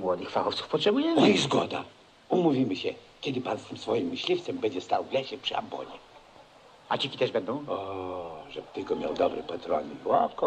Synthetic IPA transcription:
mwɔd̪ɘxfaxɔftsu̥fpɔtʂɛbujɛizɡɔd̪a̰ | umuvʲimɘɕɛkʲɛd̪ɘpanst̪ɘmsfɔjimːɘɕlʲift̪sɛmbɛɲd͡ʑɛst̪awvlɛɕɛpʂɘa̰mbɔ̰ɲɛ | at͡ɕikʲit̪ɛʐbɛnd̪ɔ̃w̃ɔʐɛb̚t̪ɘlkɔmʲja̰wd̪ɔbɾɛpɛt̪ɾɔ̰nɨwɔkɔ

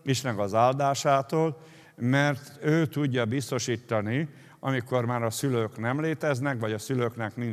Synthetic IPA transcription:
iʃnɛɡɒzaːld̪aːʃaːt̪oːl | mɛrt̪øːt̪uɟːɒbist̪o̞ʃiːt̪ːɒni | ɒmiko̞rmaːɾɒsyløːknɛmleːt̪ɛznɛkʋɒɟɒsyløːknɛkmin

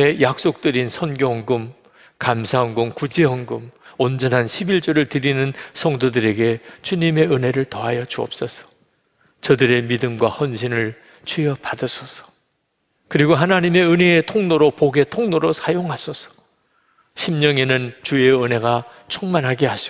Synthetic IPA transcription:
e̞jak̚s͈ok̚t͈ɯɾinsʰʌnɡjoɦʌŋɡɯm | kamsʰaɦʌŋɡoŋkud͡ʑeɦʌŋɡɯmond͡ʑʌnɦanɕʰibiɭt͡ɕ͈ʌɾɯɭtɯɾinɯnsʰʌŋdodɯɾe̞ɡe̞t͡ɕuɲime̞ɯne̞ɾɯɭtʌɦajʌt͡ɕuʌ̰p̚s͈ʌsʰʌ̥ | t͡ɕʌdɯɾe̞midɯmɡwahʌnɕʰinɯɭ | t͡ɕʰujʌpadɯsʰʌsʰʌ̥ | kɯɾiɡoɦanaɲime̞ɯneːtʰoŋnoɾopoɡe̞tʰoŋnoɾosʰajoŋɦasʰʌsʰʌ̥ | ɕʰimɲʌŋe̞nɯnt͡ɕue̞ɯne̞ɡa | t͡ɕʰuŋmanɦaɡeɦaɕʰi

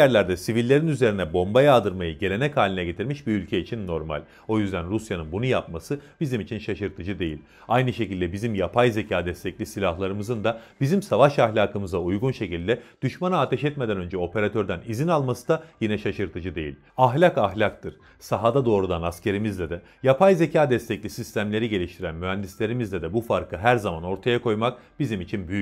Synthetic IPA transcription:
jæɾlʲæɾd̪ɛsivilʲːe̞ɾinyze̞ɾinɛbo̞mbajaːd̪ɯɾmajɯɟe̞lʲe̞nɛchaːlʲinɛɟe̞t̪ʰiɾmiʃbiylʲcʰɛit͡ʃʰinːo̞ɾma̰lʲ | o̞jyzd̪ænɾusjanɯnbunujapmasɯb̥izimit͡ʃʰinʃaʃɯɾt̪ʰɯd͡ʒɯd̪e̞jḭlʲ | ajnɯʃe̞cilʲd̪ɛbizimjapʰajze̞cʰaːd̪ɛst̪ʰɛclʲisilʲahlˠaɾɯmɯzɯnd̪ab̥izimsavaʃahlʲaːkɯmɯzaujɡunʃe̞cilʲd̪ɛd̪̥yʃmanaaːt̪ʰɛʃɛt̪med̪ænø̞nd͡ʒɛo̞pʰe̞ɾat̪ʰø̞ɾd̪ænizinalˠmasɯ̥d̪ajinɛʃaʃɯɾt̪ʰɯd͡ʒɯd̪e̞jḭlʲ | aɦlʲakaɦlʲak̚t̪ʰɯɾ̥ | saɦad̪ad̪o̞ːɾud̪anascʰe̞ɾimizlʲɛd̪ɛ | japʰajze̞cʰaːd̪ɛst̪ʰɛclʲisist̪ʰæmlʲe̞ɾiɟe̞lʲiʃt̪ʰiɾænmyɦænd̪islʲe̞ɾimizlʲɛd̪ɛbufaɾkʰɯɦæɾzamano̞ɾt̪ʰajakʰo̞jmak̚b̥izimit͡ʃʰinbyjy

